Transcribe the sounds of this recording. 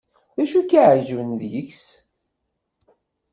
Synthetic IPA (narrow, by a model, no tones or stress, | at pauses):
ðæʃukːaʕʒwnðjəçs